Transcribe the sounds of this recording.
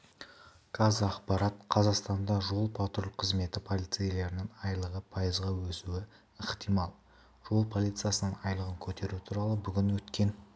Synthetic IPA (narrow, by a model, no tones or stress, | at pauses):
kʰazɑqpɑɾɑt̪qʰɑzɑqst̪ɑnd̪ɑʒo̞lˠpʰɑt̪ɾlqʰəzme̞t̪ɪpʰo̞lʲijt̪sɨjele̞ɾɪnɪŋɑjlˠəʁəpʰɑjəzʁɑwɵsuɪ | ɪχt̪ijmɑlˠ | ʒ̥o̞lˠpʰo̞lˠijt̪sɨjasənəŋɑjlˠəʁəŋkʲʰɵt̪e̞ɾut̪ʰuɾɑlˠəbʏɡʲɪnwɵt̪kʲe̞n